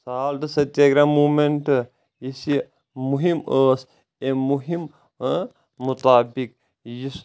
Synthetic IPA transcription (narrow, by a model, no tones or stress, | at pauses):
saːlt̪ɨsɐt̪jɐɡɾamuːmenʈ | jisi | muɦiməːs | emuɦim | ut̪aːbik | jis